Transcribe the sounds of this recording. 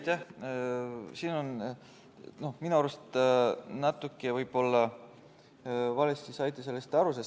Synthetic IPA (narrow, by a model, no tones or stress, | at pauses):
jt̪ʲːæh | siːno̞n | no̞hminuɑɾust̪næt̪ːˑukːˑevɯjb̥o̞lːɑ | vɑlest̪isɑjt̪iselːist̪ɑɾuses